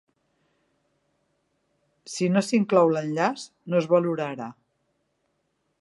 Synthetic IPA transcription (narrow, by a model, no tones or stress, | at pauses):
sinosiŋklawlənʎas | nozβəluɾəɾa